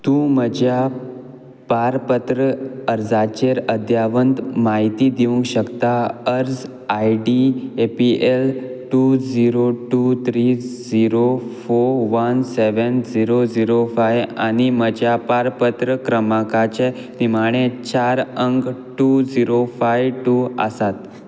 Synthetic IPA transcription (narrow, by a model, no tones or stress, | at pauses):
t̪ũməd͡ʑja | paɾpət̪ɾəəɾd͡zat͡ɕeɾəd̪ʱjaʋənd̪maɦit̪id̪iʋũŋɡɕəkt̪aəɾd͡z | aiɖiepiʔelʈud͡ziɾoʈut̪ʰɾid͡ziɾofoɾʋənseʋənd͡ziɾod͡ziɾofaja̰ɽ̃imət͡ɕjapaɾpət̪ɾəkɾəmakat͡ɕe | nimaɽ̃ẽt͡ɕaɾəŋɡʈud͡ziɾofajʋʈua̰sat̪